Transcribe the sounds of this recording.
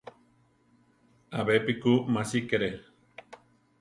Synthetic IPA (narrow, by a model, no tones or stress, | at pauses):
aβepikumasikeɾe